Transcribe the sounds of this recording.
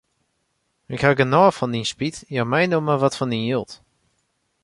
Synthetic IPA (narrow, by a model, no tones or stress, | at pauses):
ɪkhaɡənɔːfɔndinspitjamɛjnoməʋɔtfɔndinjølˠt